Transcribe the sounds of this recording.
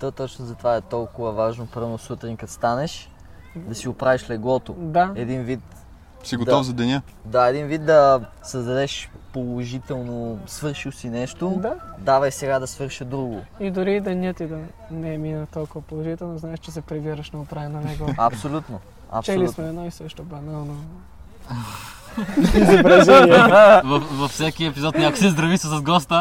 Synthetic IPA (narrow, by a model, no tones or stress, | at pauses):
t̪ət̪ɔt͡ʃnozɐt̪ovaɛt̪ɔlˠkʊvəvaʒnopɤɾvnosut̪ɾinʲkɐt̪st̪anɛʃ | d̪ɐsiʊpɾaviʃlɛɡlˠɔt̪od̪aɛd̪invit̪ | siɡot̪d̪ɔvzɐd̪ɛnʲə | d̪aɛd̪invit̪̚d̪ɐsɐzd̪ɐd̪ɛʃpolˠoʒit̪ɛlˠnosvɤɾʃilsinɛʃt̪od̪ad̪avɐjsɛɡad̪ɐsvɤɾʃəd̪ɾuɡoid̪ʊɾiːd̪ɐnʲət̪id̪ɐ | nɛminət̪ɔlˠkʊvɐpolˠoʒit̪ɛlˠnoznaɛʃt͡ʃɛsɛpɾɛviɾəʃnɐopɾajɐnɐnɛɡoɐ̰psolʲut̪no | ɐ̰pt͡ʃolismɛɛd̪nɔisəʃt̪obɐnalˠno | zɛpɾɛz | vɐfvɐfsɛkiɛpizɔt̪nʲako̥sɛzd̪ɾɐvisɐsɐzɡɔst̪ə